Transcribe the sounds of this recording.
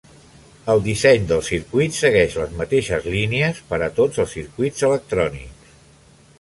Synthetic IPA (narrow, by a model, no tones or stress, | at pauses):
əlˠd̪isɛɲd̪əlˠsiɾkwit̪səɣɛʃləzmət̪eʃəzliniəspəɾət̪od͡zəlˠsiɾkwidd͡zələk̚t̪ɾɔnḭks